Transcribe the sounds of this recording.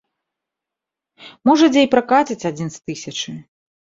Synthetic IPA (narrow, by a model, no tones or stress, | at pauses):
mɔʐɐd͡zʲejpɾakat͡sʲɐt͡sʲad͡zʲinst̪ɨsʲɐt͡ʂɨ